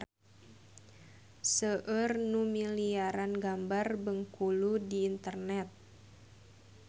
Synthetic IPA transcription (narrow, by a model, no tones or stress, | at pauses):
səʔərnumiliaɾanɡambarbəŋkuludiːnt̪ərnɛt̪̚